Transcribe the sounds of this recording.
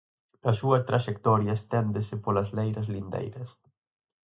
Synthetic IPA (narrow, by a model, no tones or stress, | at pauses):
ɐsuɐst̪ɾaʃek̚t̪ɔɾjɐst̪ɛnd̪ɪsɪpolɐzlejɾɐzlind̪ḛjɾɐs